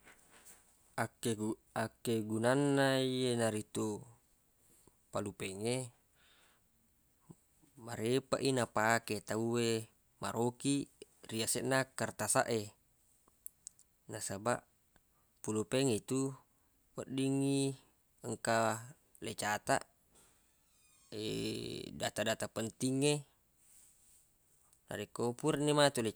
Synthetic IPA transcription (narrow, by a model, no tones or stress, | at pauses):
aeakːeɡunanːaienaɾit̪u | palupɛŋe | maɾepa̰ʔinapaket̪auwe | ma̰ɾʔokiriasɛʔnakart̪asa̰ʔe | nasabaʔ | pulopeŋit̪u | wəʔdiŋːi | əŋka | let͡ʃat̪a̰ʔ | ḛda̰t̪adat̪apənt̪iŋːe | na̰ɾekopuɾnemat̪ule